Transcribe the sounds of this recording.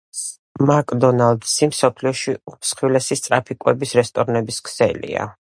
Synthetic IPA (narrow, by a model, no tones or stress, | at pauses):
makʼd̪ɔnald̪simsɔpʰliɔʃisχilɛsist̪sʼɾapʰikʼwɛbisɾɛst̪ʼɔɾnɛbiskʰsɛ̰lḭa̰